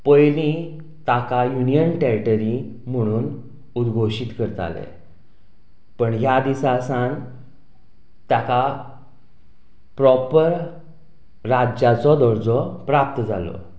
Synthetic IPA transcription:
pəjlĩ | t̪akajunijənʈɛɾiʈəɾim̤əɽ̃uːn | ud̪ɡʱoɕiːt̪kəɾt̪a̰lḛ | pəɳjad̪isasãn | t̪jaka | pɾɔpəɾ | ɾad͡ʑat͡sɔd̪ɔɾd͡zɔpɾap̚t̪əd͡za̰lɔ̰

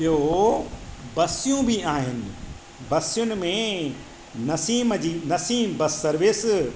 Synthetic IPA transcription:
ɪɦo | bɐsijũbʱiaːɦɪnɪ̆ | bɐsɪjʊnɪ̆mẽ | nɐsiːmd͡ʑiːnɐsiːmbɐsːɐɾʋɪs

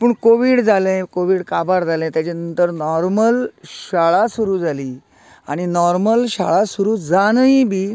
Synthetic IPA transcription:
pəɳkoʋiɽd͡zalɛ̃koʋiːɽkabaɾd͡zalɛ̃t̪jat͡ɕenənt̪əɾnɔɾməlɕaɭasuɾuːd͡zʱaliː | a̰ɽ̃inɔɾməlɕaɭasuɾuːd͡zanəibiː

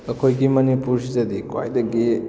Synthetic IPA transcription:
ɐkʰojɡimɐnipuɾsizɐdikwa̰jdɐɡi

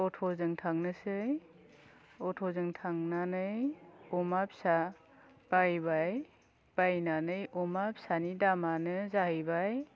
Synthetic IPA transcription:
ɔtʰɔzɯŋtʰaŋnɯsɯj | ɔtʰɔzɯŋtʰaŋnanɯjɔmapsa | b̥ajβaj | b̥ajnanɯjʔɔmap̚sanidamanɯzahɯjbaj

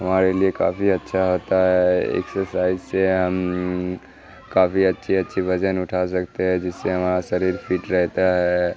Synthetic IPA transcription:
ɦəmaɾelieka̰ːpʰiətːʃʰaɦot̪aɦɛḛksəɾsaɪd͡ʒseɦəm | kaːpʰiətːʃʰiətːʃʰibʱəd͡ʒənʊʈʰas̬əkt̪eɦɛ̃d͡ʒɪsːeɦəmɾasəɾiɾpʰiːʈɾəɦt̪aɦɛ

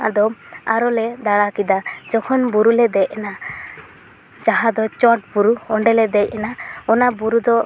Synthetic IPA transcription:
a̰d̪ɔa̰ɾɔled̪aɽakid̪ad͡ʒɔkʰɔnbuɾuled̪ɛʔɛna | d͡ʒaɦãd̪ɔt͡ʃɔʈ̚buɾuɔɳɖɛlɛd̪ɛjɛnaɔnabuɾud̪ɔ

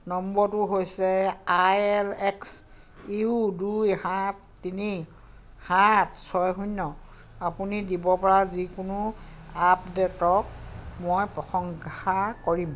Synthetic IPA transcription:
nɔmbɔtʊɦojsɛajɛlɛks | iudujhatːini | hatsɔjɦuɲːɔ | apunidibɔpɔɹazikʊnʊapdɛtɔk̚mojpɹɔxɔŋkxakoɹim

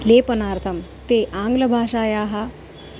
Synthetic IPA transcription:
leːpɐnaːɾt̪ʰɐmt̪eʔãːŋɡlɐbʱaːʂaːjaːɦa

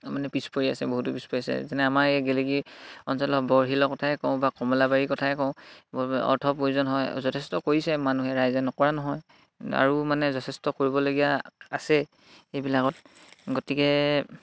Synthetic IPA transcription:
manɛpispoɹiasɛboɦutupispoɹiasɛ̰zanɛamaɹɛɡɛleɡiɔnsɔlɔbɔɹɦilɔkɔtʰaɛkɔʊ̃bakɔmɔlabaɹikɔtʰaɛkɔʊ̃ | ɔ̰ɹtʰɔpɹoiuzɔnɦɔjzɔtʰɛstɔkoɹisɛmanuɦɛɹajzɛnɔkɔɹanɔɦɔj | a̰ɹumanɛzɔtʰɛstɔkoɹibɔloɡijaasɛ | ejbilakɔtɡotikɛ

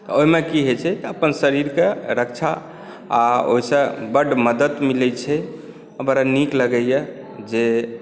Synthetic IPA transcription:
t̪ɔoɦimekiɦet͡ʃʰɛt̪əpənsəɾiɾkeɾək̚t͡ʃʰa | ao̰ɦisə̃bəɖməd̪ət̪milɛt͡ʃʰɛ | əbəɾanikləɡɛjɛ | d͡ʒe

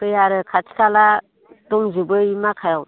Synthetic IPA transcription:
kɯjaɾɯkʰatʰi̥kala | dɔŋzibɯimakʰajɔw

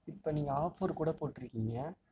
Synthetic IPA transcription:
ɪpːoniːŋɡɐaːfoːɾkuːɽɐpoːʈːɪɾɯkːɪŋɡɐ

